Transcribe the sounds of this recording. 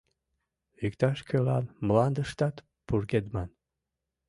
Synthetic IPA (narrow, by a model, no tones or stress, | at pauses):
ykt̪ɑʃkʰʲølɑnmlɑnd̪əʃt̪ɑt̪ | purɡed̪mɑn